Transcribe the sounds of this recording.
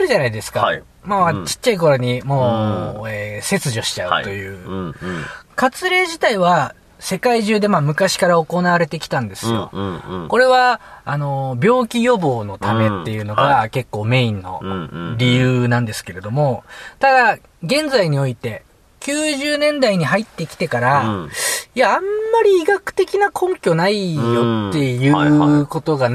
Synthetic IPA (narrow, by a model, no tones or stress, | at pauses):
ɾɯ̟ʑanaid̪e̞sɨ̥ka | maat͡ɕi̥t͡ɕːaik̬o̞ɾo̞ɲ̟imo̞ːeːse̞t͡sɨʑo̞ɕi̥t͡ɕaɯt̪o̞jɯ̟ː | kat͡sɨɾe̞ːʑit̪aiβa | se̞kaiʑɨːd̪e̞maːmɯ̟kaɕi̥kaɾao̞ko̞naβaɾe̞t̪e̞kʲi̥t̪ãnd̪e̞sɨjo̞̰ko̞ɾe̞βaːno̞bʲo̞ːkʲijo̞bo̞ːno̞t̪ame̞t̪ːe̞jɯ̟ːno̞ɡake̞kːo̞ːme̞ĩnːo̞̰ɾʲijɯːnãnd̪e̞sɨ̥ke̞ɾe̞d̪o̞mo̞t̪ad̪a | ɡẽ̞nd͡zaiɲ̟io̞it̪e̞ | kʲɨːʑɨːnẽ̞nd̪aiɲ̟iɦait̪ːekʲi̥t̪e̞kaɾa | iãːmːaɾʲiːɡakɯ̟̥t̪e̞kʲinakʰõ̞ŋkʲonaijo̞ːe̞jɯ̟ːko̞t̪o̞ɡa